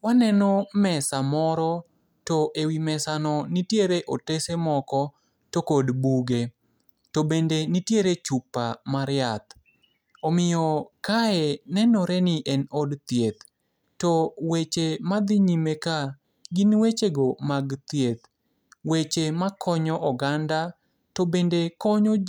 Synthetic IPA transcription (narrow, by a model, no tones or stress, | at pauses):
wanɛnɔmɛsamɔɾɔ | tɔʔewimɛsanɔnitjeɾeʔotesemɔkɔ | tokodbuɡe | tobendenitjeɾet͡ʃupːamaɾɪjat̪ | omɪjɔkaɛnɛnɔɾɛnɪʔɛnɔdt̪jet̪ | tɔwet͡ʃemad̪ɪɲimeka | ɡɪnwet͡ʃeɡomaɡt̪jet̪ | wet͡ʃemakʰɔɲɔʔɔɡanda | tobendekɔɲɔ